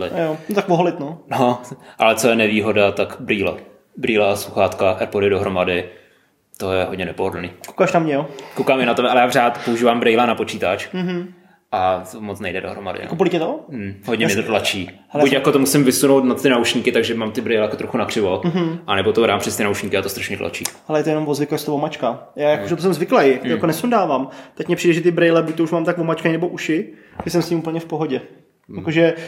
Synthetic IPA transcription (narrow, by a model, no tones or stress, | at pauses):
lɪ̰jont̪akvoɦolɪt̪noːnoʔalɛt͡sojɛnɛviːɦo̞dat̪akbɾiːlo̰ | bɾiːlaʔasuxaːt̪kaʔɛɾpodɪdoɦɾo̞madɪ | t̪o̞jɛɦo̞dɲɛnɛpoɦodl̩niːkokaʃnamɲɛjokowkaːmɪnat̪ɛbɛʔalɛjaːr̝aːt̪pouʒiːvaːmbɾɛjlanapot͡ʃiːt̪at͡ʃ̩ɦ̩ | ʔat̪omot͡snɛjdɛdo̞ɦɾo̰ma̰dɪ̰kopolɪikcɛt̪oɦodɟɲɛmɲɛt̪ot̪lat͡ʃiːhɛkucjakot̪omusɪmvɪsunowt̪nat̪ːɪnauʃɲiːkɪt̪aɡʒɛmaːmt̪ɪbɾɛjlɛjakot̪ɾoxunakr̝̥ɪvomɦ̩ʔanɛbot̪oɾaːmpr̥ɛst̪ɪnauʃɲiːkɪat̪ost̪ɾaʃɲɛt̪lʔa̰t͡ʃḭːhɛlɛjɛt̪ojɛno̞mvozvɪkast̪ovomat͡ʃkajaːjakoʒɛt̪os̬ɛmzvɪklɛjak̪ojakonɛsundaːvaːmt̪acmɲɛpr̝iːdɛʒɛt̪̬ɪbɾɛjlɛbuc̚t̪ouʃmaːmt̪akvomat͡ʃkanɛbo̞ʔuʃɪ | ʒɛsɛmsɲimuːpl̩ɲɛfpoɦoɟɛ | jakoʒɛ